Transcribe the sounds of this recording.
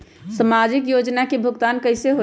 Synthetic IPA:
səmad͡ʒikjod͡ʒnakebʱʊɡt̪ankəɪseɦo

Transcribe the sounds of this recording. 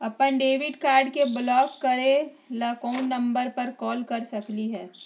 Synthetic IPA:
ɐpənɖeːʋɪɖkaːɾɖkeblɔːkːɐɾẽ | laːkoːʊnːɐ̃mbəɾpɐɾkɔːlkɐɾsɐkliɦɛː

